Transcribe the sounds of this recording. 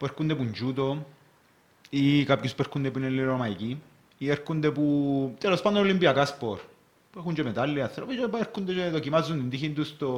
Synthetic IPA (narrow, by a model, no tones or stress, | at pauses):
peɾkund̪ep̬und͡ʒut̪o | ikapkisu̥peɾkund̪ep̬unelːiɾomajki | ieɾkund̪eput̪alospand̪onolimbiakaspoɾ | puekund͡ʒemet̪alːiaɾapid͡ʒepaeɾkund̪et͡ʃeet̪okimazund̪ind̪ixind̪ust̪o